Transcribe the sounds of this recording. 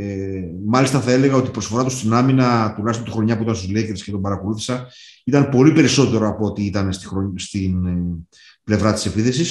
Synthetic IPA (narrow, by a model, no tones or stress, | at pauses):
mɐlist̪ɐθɐe̞le̞ɣɐo̞t̪iːpɾosfo̞ɾɐt̪ust̪inɐminɐt̪ulɐçisot̪u̥xɾo̞ɲɐpuit̪ɐnst̪uzlekeɾscet̪o̞mbɐɾɐko̞luθi̥sɐ | it̪ɐnpo̞lipe̞ɾiso̞t̪e̞ɾo̞ɐpoot̪iit̪ɐnst̪ixɾost̪in | ple̞vɾɐt̪i̥se̞piθe̞sis